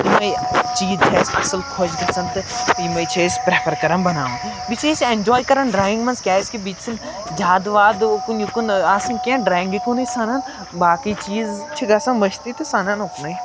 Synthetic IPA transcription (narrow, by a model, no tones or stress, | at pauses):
imɐjt͡ʃiːzt͡ʃʰesɐ̰sɐlkʰod͡ʒɡɐsɐnt̪t̪imɐjt͡ʃʰespɾeːpʰɐɾkɐɾɐmbɐna̰ːʋũ | bit͡ʃesend͡ʒɔːjkɐɾɐnɖɾaːjĩŋɡmɐnskʲjaːɪskebiːt͡ʃsɐn | d͡ʒaːd̪ʋaːd̪kunjukunaːsɐnkʲãːnɖɾaːĩŋɡikunɐjsaːnɐn | baːkit͡ʃiːzt͡ʃʰiɡɐsɐnʋɐt͡ʃʰt̪it̪ʰisaːnɐnoknɐj